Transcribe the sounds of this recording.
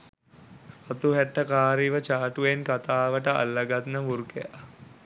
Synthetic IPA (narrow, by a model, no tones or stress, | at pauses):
at̪uɦæʈːəkaːɾiʋət͡ʃaːʈuʋenkat̪aːʋəʈəa̰lːəɡat̪nəmuɾkeja̰